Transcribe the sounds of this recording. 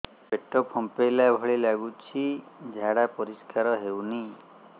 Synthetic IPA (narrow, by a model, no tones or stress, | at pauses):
beʈɔpʰɔmpelabʱɔɭilaɡut͡ʃʰid͡ʒʱaɽapɔɾiskaɾɔɦewni